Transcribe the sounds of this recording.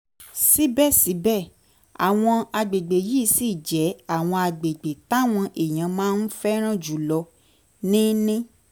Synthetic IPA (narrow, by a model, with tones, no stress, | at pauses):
si˦bɛ˦˨si˨˦bɛ˦˨ | a̰˨w̃ɔ̃˧a˧ɡ͡be˨ɡ͡be˨ji˦si˦˨d͡ʒɛ˨˦a˦˨w̃ɔ̃˧a˧ɡ͡be˨ɡ͡be˨ta˦˨w̃ɔ̃˧ʔe˨j̃ã˨˦mãː˦n̩˦fɛ˦ɾ̃ã˦˨d͡ʒu˨˦lɔ˧ | nĩ˦nĩ˦